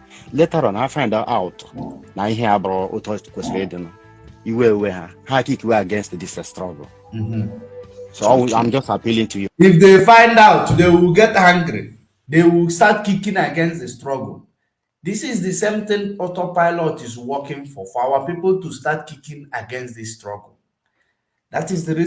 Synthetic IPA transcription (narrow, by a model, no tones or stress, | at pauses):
letaɾɔ̃nafãɪ̃ndaʔaʊtnaiɦɛabɾɔʔo̰tɔkesɾedin | iweowehahakikweaɡɛ̃nstdisstɾɔ̰ɡ̰l | m̩ɦ̩soawãɪ̃md͡ʒɔstapilĩŋtujuifdefãɪ̃ndaʊtdewilɡɛthãŋɡɾḭ | dewilstatkikĩnaɡɛ̃nsdəstɹɔɡ̰l̩ | disiz̬dəsẽmθɪ̃nɔtɔpaɪlɔtizwɔkĩŋfɔfɔawapipəlˠtustatkikĩnaɡɛ̃nsdistɹɔɡl̩ | datizdəɾi